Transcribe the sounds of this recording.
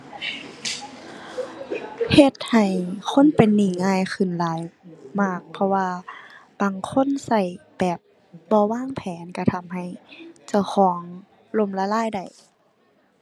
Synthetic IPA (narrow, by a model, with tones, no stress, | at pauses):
he˧t̪̚ha˨˩jkʰo˧˥˨npe˨nːiː˨˩ŋaː˧˥˨jxɯ˧˩˨nlaː˨˦jmaː˧˩k̚pʰɔ˧waː˧b̥aː˨˩ŋkʰo˧˥˨nsa˧˩jb̥ɛː˨˩p̚ | bɔː˧˦waː˧˥˨ŋpʰɛː˨˦nka˧˩t̪ʰa˧mɦa˧˩jt͡ɕa˧˩wxʰɔː˩˦ŋ | lo˧˩˨mlaː˧laː˧˥˨jda˨˩j